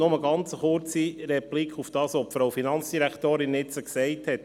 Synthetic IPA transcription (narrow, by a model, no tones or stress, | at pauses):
nʊməɡɑnt͡səχʊɾt͡sirɛplikχufd̥ɑːsɔpfɾowfinɑnt͡sd̥iɾæktoːɾɪnːɪt͡səksɛɪthɛt